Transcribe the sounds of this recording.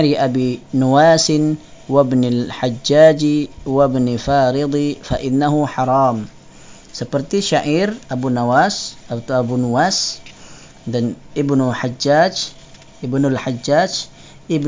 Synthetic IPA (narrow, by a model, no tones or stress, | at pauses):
ɾiʔabinuwaːsɪn | wabnalħad͡ʒːaːd͡ʒiwabnifaːɾɪd̪ˤifaʔɪnːaɦuħɑɾˤɑːm | səpərt̪iʃaʔirʔabunawasat̪aabunuwas | danʔibnuħad͡ʒːaːd͡ʒ | ɪbnʊlħad͡ʒːad͡ʒ | ɪb